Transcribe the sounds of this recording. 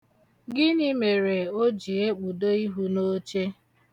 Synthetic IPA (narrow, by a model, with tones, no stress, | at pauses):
ɡɪ˦nɪ˦me˨ɾe˨o˦d͡ʒi˨e˦k͡pu˨do˦i˦ɦu˦no˦t͡ʃe˦